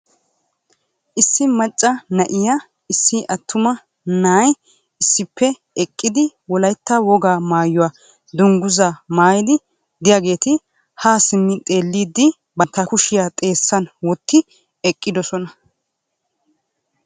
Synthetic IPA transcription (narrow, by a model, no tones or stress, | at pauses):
ʔɪsːɪmɐt͡ʃʼːɐnɐʔɪja | ɪsːɪʔɐt̪ʰːʊmɐ | naːj | ɪsːɪpʰːɛ | ɛkʼːɪd̪ɪwɔlɐjt̪ːɐwɔɡaːmaːjʊwaː | d̪ʊŋɡʊzamaːjɪd̪ɪ | d̪ɪjaɡe̞ːt̪ɪ | haːsɪnːɪt̪ʼe̞ːlːiːd̪ːɪ | bɐnt̪ːɐkʊʃɪjaːt̪ʼe̞ːsːɐnwɔt̪ːɪ | ɛkʼːɪd̪ɔsɔnɐ